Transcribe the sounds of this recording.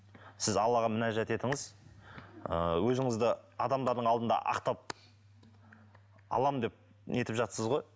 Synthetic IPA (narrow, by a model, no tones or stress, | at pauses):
sɪzɑlˠːɑʁɑmʏnæʒæt̪e̞t̪ɪŋɪz | ə̰wɵzɪŋɪzd̪ɪɑd̪ɑmd̪ɑɾd̪əɴɑlˠd̪ənd̪ɑ̰ʔɑ̰qt̪ɑp̚ | ɑ̰lˠɑmənd̪ep̚ | nʔe̞t̪ɪpʒɑt̪səzʁo̞j